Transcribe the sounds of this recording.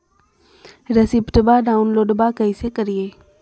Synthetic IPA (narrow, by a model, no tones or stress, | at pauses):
ɾɐsɪpʈbaɖaːunloːɖbakɐisekɐɾijeː